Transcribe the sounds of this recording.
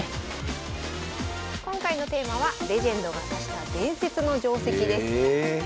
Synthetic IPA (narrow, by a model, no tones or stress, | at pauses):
kõ̞ŋkaino̞t̪e̞ːmaβaɾe̞ʑẽ̞nd̪o̞ɡasaɕi̥t̪ad̪ẽ̞ɰ̃se̞t͡sɨno̞d͡ʑo̞ːse̞kʲid̪e̞sɨ̥